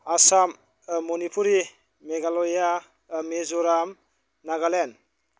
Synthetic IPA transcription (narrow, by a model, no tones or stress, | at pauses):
asam | mːɔnipʰuɾi | meɡalɔja | mezɔɾam | naɡalen